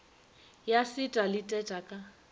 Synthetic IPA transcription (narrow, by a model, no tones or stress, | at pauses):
jasɪtʼalɪtʼɛtʼakʼa